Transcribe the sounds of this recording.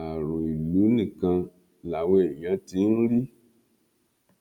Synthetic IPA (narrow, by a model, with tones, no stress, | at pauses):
a˨ɾũ˨i˨lu˨˦nĩ˦˨kã˧ | la˨we˦˨ɲã˨˦ti˨˦n̩˦ɾi˦